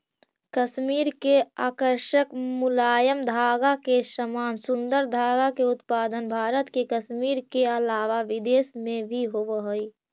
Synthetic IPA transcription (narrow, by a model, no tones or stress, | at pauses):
kəʃmiːɾkeaːkəɾʃəkmʊlaːjəmd̪ʱaːɡakeʃəmaːnsʊ̃nd̪əɾd̪ʱaːɡakeʊt̪paːd̪ənbʱaːɾət̪kekəʃmiːɾkeɐlaːʋaʋɪd̪eːsmẽbʱiɦoʋɦoi